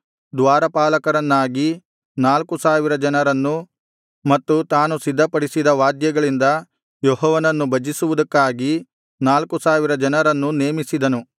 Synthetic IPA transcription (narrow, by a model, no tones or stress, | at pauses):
d̪ʋaːɾɐpaːlɐkɐɾɐnːaːɡi | naːlkusaːʋiɾɐd͡ʒɐnɐɾɐnːu | mɐt̪ːut̪aːnusid̪ʱːɐpɐɽisid̪ɐʋaːd̪jɐɡɐɭind̪ɐ | jɔɦɔːʋɐnɐnːubɐd͡ʒisuʋud̪ɐkːaːɡi | naːlkusaːʋiɾɐd͡ʒɐnɐɾɐnːuneːmisid̪ɐnu